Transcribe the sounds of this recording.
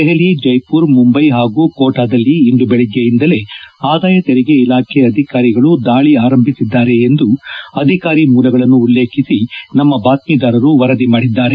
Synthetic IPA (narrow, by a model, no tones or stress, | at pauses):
ɛɦelid͡ʒɐjpuːɾmumbɐjɦaːɡuːkoːʈaːd̪ɐlːiːnd̪ubɛɭɛɡejind̪ɐle̞aːd̪aːjɐt̪ɛɾiɡeilaːkʰɛɐd̪ʱikaːɾiɡɐɭud̪aːɭiaːɾɐmbʱisid̪ːaːɾe̞ːnd̪uɐd̪ʱikaːɾimuːlɐɡɐɭɐnːuːlːe̞ːkʰisinɐmːɐbaːt̪̚miːd̪aːɾɐɾuʋɐɾɐd̪imaːɽid̪ːaːɾe